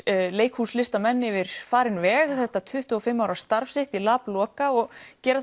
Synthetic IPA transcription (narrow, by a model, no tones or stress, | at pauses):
leːjkhuːslɪst̪amɛnːɪvɪɾ̥faːɾɪnvɛːɣθɛht̪at̪ʰʏht̪ʏɔfɪmːawɾast̪aɾfsɪht̪ilaːplɔːkaɔɣcɛːɾa